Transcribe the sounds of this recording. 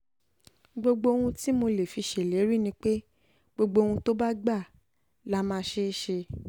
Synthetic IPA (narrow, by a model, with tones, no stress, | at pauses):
ɡ͡bo˧ɡ͡bo˧o˧wũ˧ti˦mo˧le˨fi˧ʃe˨le˨˦ɾi˦˨nĩ˧˦k͡pe˦ | ɡ͡bo˧ɡ͡bo˧wũ˧to˦ba˦ɡ͡ba˦˨ | la˦mãː˦˧ʃe˦ʃe˧